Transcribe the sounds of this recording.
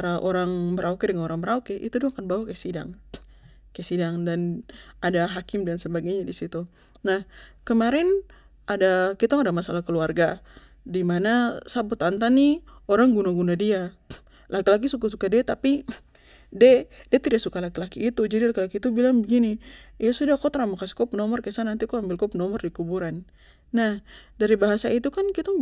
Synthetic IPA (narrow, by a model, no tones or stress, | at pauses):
aɾaʔoɾaŋbəɾʔaukɛdəŋanoɾaŋbəɾaukɛʔḭt̪udiakanbawakajsida̰ŋ | kajsidaŋdanadaɦakɪmdansəbaɡajɲadisit̪u | nahkəmaɾɛn | ʔadakit̪aŋadamasalahkəluarɡa | dimanasabʊt̪ant̪anioɾaŋɡunaɡunadia | lakilak̬isukasukadiat̪api | dɛdɛt̪idaʔsukalakilakiːt̪ud͡ʒadilakilakit̪ubilaŋbəɡiniijasudahkot̪əɾamakasi̥kɔpənɔmɔrkasanant̪ikɔambɪlkɔpənɔmɔrdikubuɾanː | ahdaɾibaɦasait̪ukankit̪aŋ